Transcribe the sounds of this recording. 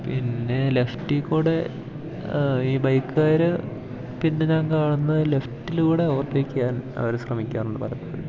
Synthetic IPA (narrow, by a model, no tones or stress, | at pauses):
pinːe̞le̞ftikːoːɽe | iːbɐjkːɨaːɾɨ | pinːe̞ɲaːnkaːɳunːɐðɨleftːilkuːɽe̞oːrʈːeikʲːijaːnɐ̰ʋɐɾeɕrɐmikʲːaːnenːɨpɐɾɐp̪ːɐːɽ